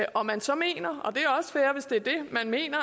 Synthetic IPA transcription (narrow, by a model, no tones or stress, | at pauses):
ʔɒ̽mænsɒ̽me̝̰ːnɐɒ̽d̥e̝æɒ̽sə̥fæːɐʋe̝sd̥e̝æɐd̥e̝mænme̝̰ːnɐ